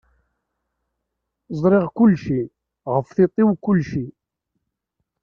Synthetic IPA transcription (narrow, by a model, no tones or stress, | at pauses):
zˤɾɪʁkʊlːʃi | ʁəfθit̪ˤɪwkʊlːʃi